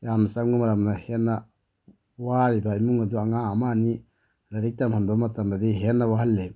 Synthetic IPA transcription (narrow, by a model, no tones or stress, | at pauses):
jamasaŋɡumaɾamnahenːa | waːɾibaimuŋad̪uaŋaːmani | ɾaɾik̚t̪amhanbamat̪amdad̪iɦenːawaɦalːe